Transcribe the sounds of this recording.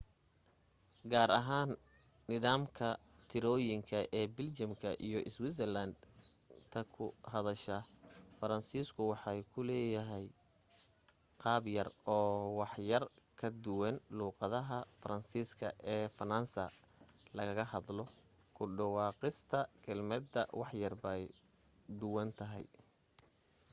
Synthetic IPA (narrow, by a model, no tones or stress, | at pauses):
ɡaːɾɐɦaːnː | ɪðaːmkʰɐ | t̪ʰɪɾɔːjɪŋkʰɐʔɛːbɪlt͡ʃɐmkʰɐʔḭjɞʔɪswis̬ɛlɐnd̪ | t̪ʰɐkʰʊɦɐðɐʃɐfɐɾɐnsiːskʰʊwɑħɑjkʰʊlɛːjɐɦɛj | qɑːbjɐrɔːwɑħjɐrkʰɐd̪ʊwɐnluːqɑðɐɦɐfɐɾɐnsiːskʰɐ̰ʔɛːfɐnɐnsɐ̰ | lɐɣɐɣɐɦɑðlɔ | kʰʊɖɑwɑːqɪst̪ʰɐkʰɛlmɐd̪ɐ̰wɑħjɐrbɐj | d̪ʊwɐnt̪ʰɐɦɛ̰j